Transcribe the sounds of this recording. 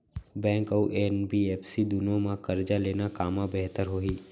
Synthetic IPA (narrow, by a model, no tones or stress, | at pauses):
bɛ̃ːŋkɔuʔeːnbieːpʰsid̪ʊnõmãkəɾd͡ʒaleːnakaːmãbɛɦt̪əɾɦoːiː